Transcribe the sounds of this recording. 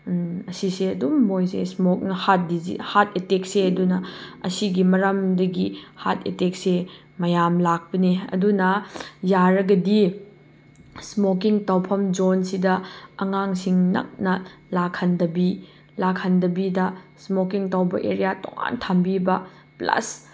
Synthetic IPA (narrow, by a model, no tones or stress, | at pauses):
ɐsiseɐdumːojsḛsmok̚nɐhat̚dizḭhat̚etek̚seɐdunɐɐ̰siɡimɐɾɐmdɐɡiha̰tʰetek̚se | mɐjamlak̚pɐneɐ̰dunɐjaɾɐɡɐdi | smokiŋtawpʰɐmd͡ʒonsidɐɐŋaŋsiŋnɐ̰k̚nɐ | lakʰhɐndɐbi | lakʰːɐndɐbidɐsmokiŋtawbɐʔeɾijato̰ŋa̰ntʰambibɐ | plɐ̰s